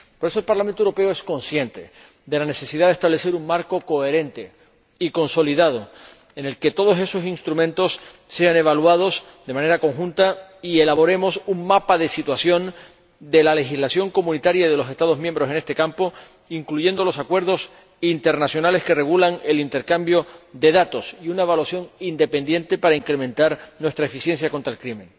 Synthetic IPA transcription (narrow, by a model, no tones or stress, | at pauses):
po̞ɾe̞s̬o̞elpaɾlamẽnt̪oewɾo̞pe̞oe̞sko̞nsje̞nt̪e̞̰ | d̪e̞lane̞se̞siðaðe̞st̪aβle̞se̞ɾuŋmaɾko̞ko̞e̞ɾẽ̞nt̪e̞ | iko̞nso̞liðað̞o̞ | ene̞lke̞t̪o̞ðo̞se̞so̞sinst̪ɾumẽnt̪o̞s | se̞ane̞β̞alwað̞o̞s | ðe̞mane̞ɾako̞ŋxũnt̪aie̞laβo̞ɾe̞mo̞suŋmapaðe̞sit̪wasjõ̞n | d̪e̞lale̞xizlasjo̞ŋko̞mũnit̪aɾjaðelo̞se̞st̪aðo̞ɦmjembɾo̞s̬e̞ne̞st̪ekampo | iŋkluʝe̞nd̪o̞lo̞sakwe̞ɾðo̞s | int̪e̞ɾnasjo̞nale̞ske̞re̞ɣulaŋe̞lint̪e̞ɾkambjo̞ðe̞ðat̪o̞siunaeβalwasjo̞ŋind̪e̞pe̞nd̪je̞nt̪e̞paɾaiŋkɾe̞mẽ̞nt̪aɾnwest̪ɾaefisje̞nsjako̞nt̪ɾaelkɾimẽ̞ŋ